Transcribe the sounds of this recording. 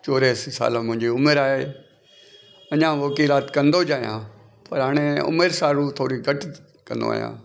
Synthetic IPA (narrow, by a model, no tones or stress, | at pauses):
t͡ɕoːɾesisa̰ːlamʊ̃ɦɪ̃ɲd͡ʑiʊmeɾaːɦeː | ɐɲãːʋɐkiːlaːt̪kɐ̃nd̪od͡ʑaːijã̰ː | pɐɾɦaːɽ̃eʊ̰meɾsaːɾut̪ʰoːɾiɡʱɐʈ | kɐ̃nd̪o̰a̰ːɦjã̰ː